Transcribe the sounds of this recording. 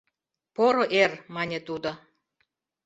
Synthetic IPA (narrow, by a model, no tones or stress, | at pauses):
poɾŏʔermɑnʲet̪ud̪ŏ